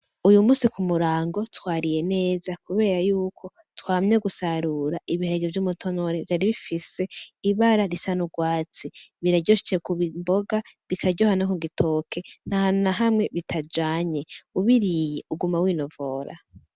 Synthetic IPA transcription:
ujumuːsikʰumuɾaːŋɡo̞twaːɾije̞ne̞ːzakuβe̞ːɾajuːkʰo̞ | twaːmɲoɡusaɾuɾaʔiβiheeɡivjumutʰo̞no̞ɾevjaːɾiβifise̞iβaɾaɾisanuɡwaːt͡siβiɾaɾɟoʃi̥t͡ʃekuβimbo̞ɡaβikʰaɾɟohanakuɡitʰo̞ːkʰe̞n̥hahannaɦamŋe̞βitʰad͡ʒaːɲe̞uβiɾijeʔuɡumawiːno̞voɾa̰

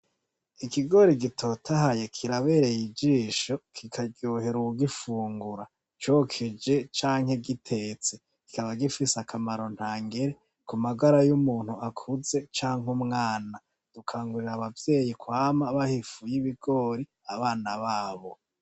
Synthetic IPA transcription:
ikiɡo̞ɾiɡitʰo̞ːtʰaɦajekʰiɾaβe̞ːɾe̞jid͡ʒiːʃo̞kʰikʰaɡjoːhe̞ɾuuɡifuːŋɡuɾa | t͡ʃoːkʰed͡ʒe̞t͡ʃaːŋhe̞ɡitʰe̞ːt͡se | ki̥kaβaɡifisakʰamaɾo̞n̥haːŋɡeɾe | kumaɡaɾajumuːn̥huakʰuze̞t͡ʃaːŋɦumŋaːna | d̥ukʰaːŋɡuɾiɾaβavje̞ːjikwaːmaβahifujiβiɡo̞ːɾi | aβaːnaβaːβo̞

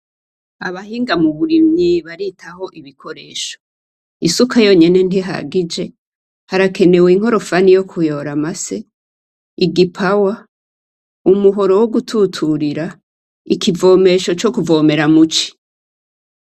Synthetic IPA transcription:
aβahiːŋɡamuβuɾimɲiβaɾitʰaho̞ʔiβikʰo̞ɾe̞̰ːʃo | isukʰajo̞ɲene̞n̥iɦa̰ɡid͡ʒe̞ | haɾakʰe̞ne̞weiŋ̥ho̞ɾo̞fanijo̞kʰujo̞ɾamase̞ | iɡipʰawa | umuɦo̞ɾo̞woɡutʰutʰuɾiɾa | ikʰivo̞ːme̞ʃo̞t͡ʃo̞kuvo̞ːme̞ɾamut͡ʃi̥

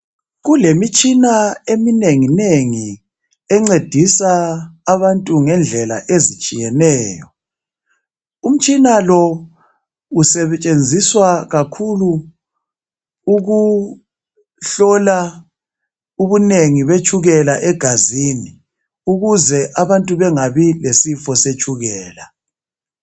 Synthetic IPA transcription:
ɣulemit͡ʃʼinaemineŋineŋi | ɛŋ͡ǀed̥ʱisaːβantʼuŋɛnd͡ɮʱɛla̰ʔezit͡ʃʼijɛnɛːjɔ | um̩t͡ʃʼinalɔ | usɛβt͡ʃʼend͡zʱiswaɣakʰulu | ɣu | ɬɔla | uβuneŋiβet͡ʃʰʼuɣɛlaʔɛɡ̥ʱazini | uɣuzɛʔaβantʼuβɛŋaβilesifɔset͡ʃʰʼuɣɛːla

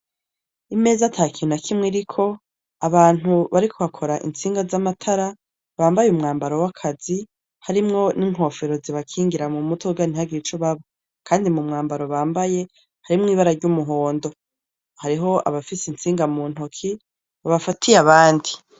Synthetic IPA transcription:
ime̞ːzatʰakʰinakʰimŋeɾikʰo̞ | aβaːn̥uβaɾikʰo̞βakʰo̞ɾaʔḭnt͡siːŋɡazamatʰaɾa | βaːmbajumŋaːmbaɾo̞wakʰazi | haɾimŋo̞niŋ̥ɦo̞ːfe̞ɾo̞ziβakʰiːŋɡiɾamumutʰoɡaniɦaɡit͡ʃoβaβo | kʰaːndimumŋaːmbaɾo̞βaːmbaje̞ | haɾimŋiːβaɾaɾɟumuɦo̞ːndo̞ | haɾiɦo̞a̰βafisint͡siːŋɡamuːn̥okʰi | βaβafatʰijaβaːndi

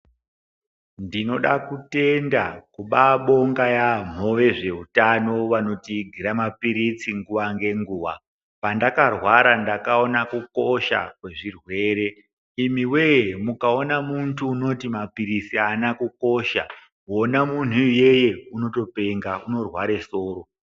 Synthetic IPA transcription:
ndino̞ɗakute̞ndakuɓaɓo̞ŋɡajam̤o̞ʋe̞ʐe̞utano̞ʋano̞tiɡʱiɾamapiɾit͡siŋɡuʋaŋɡe̞ŋɡuːwa | pandakarwaɾandakaonakuko̞ʃa̰kwe̞ʐirwe̞ɾe̞ | imiwe̞jemukaonamuntʰuːno̞timapiɾisianakuko̞ʃa̰ | o̞namun̤uje̞je̞uno̞to̞pe̞ŋɡauno̞rwaɾe̞soːɾo̞

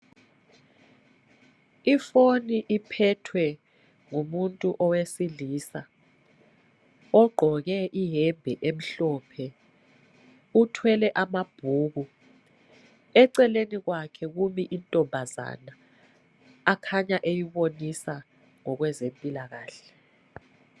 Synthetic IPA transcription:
ifoniʔipʰɛtʰwɛ | ŋumuntʼuʔɔwesiliːsa | ɔɡ͡ǃʱɔk̬ɛʔiɦɛmbʱɛʔem̩ɬɔːpʰɛ | utʰwɛlɛʔamab̥ʱuːɣ̬u | ɛǀɛlenik̬wakʰɛk̬umiʔintʼɔmbʱaza̰naː | kʰaɲaʔejiɓonisa | ŋɔk̬wɛzempʼilaɣ̬aːɬɛ

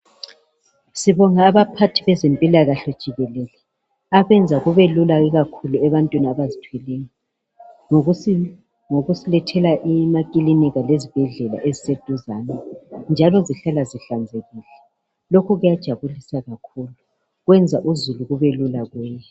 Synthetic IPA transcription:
siβɔŋaːβapʰatʰiβɛzempʼilaɣaɬɔd̥ʒ̥ʱiɣɛlɛlɛ | aβɛnd͡zʱaɣuβelulaiɣakʰuluɛβantʼwiniaβazitʰwɛlejɔ | ŋoɣusilɛtʰɛlaʔimakʼiliniɣalezib̥ʱɛɮɛla̰ʔezised̥ʱuzanɛnd͡ʒʱalɔziɬalaziɬand͡zʱeɣilɛ | lokʰuɣujad̥ʒ̥ʱaβulisaɣakʰulu | ɣwɛnd͡zʱaʔuzuluɣuβelulaɣwɛːjɛ

